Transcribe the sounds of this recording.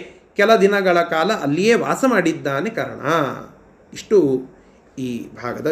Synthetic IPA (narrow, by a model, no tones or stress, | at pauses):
kɛlɐd̪inɐɡɐɭɐkaːlɐʔɐlːijeːʋa̰ːsɐmaːɽid̪ːaːne̞kaːɾɐ̰ɳɐ̰ | iʂʈu | iːbʱaːɡɐd̪ɐ